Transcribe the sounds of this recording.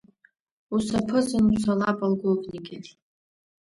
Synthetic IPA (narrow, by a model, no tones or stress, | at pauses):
usapʰɨzɨnusalapʼalɡʷoɡʼniɡʲɪr